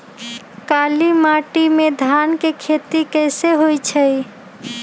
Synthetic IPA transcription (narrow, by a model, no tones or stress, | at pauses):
kalimaʈimed̪ʱankekʰet̪ikəɪseɦojt͡ʃʰəj